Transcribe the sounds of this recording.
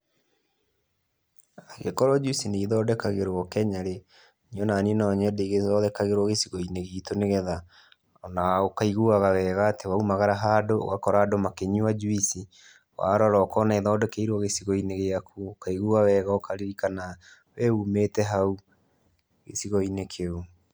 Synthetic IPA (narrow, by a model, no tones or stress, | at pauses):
aɣekɔɾɔd͡ʒuisineiðɔːdɛkaɣeɾwɔkɛɲaɾe | niɔnaninɔɲɛdeɣezɔðɛkaɣeɾwɔɣesiɣɔineɣiːtoneɣɛða | ɔnaokaiɣuaɣawɛːɣaːtewaumaɣaɾaɦadoo̰ɣakɔɾaːdomakeɲiwad͡ʒuisi | wa̰ɾɔɾɔːkɔnaeðɔːdɛkeiɾwɔɣesiɣɔineɣeakʰuokaiɣuɣawɛɣaokʰaɾiɾikana | wɛumeːtɛɦau | ɣḛsiɣɔinekʰeo